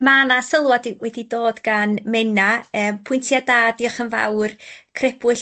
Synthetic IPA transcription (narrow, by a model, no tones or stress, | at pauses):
manasəlˠwadiwɛdidoːdɡanmɛnaəːmpʰʊɨntʰjadaːdiɔχənva̰wrkʰrɛbʊɬ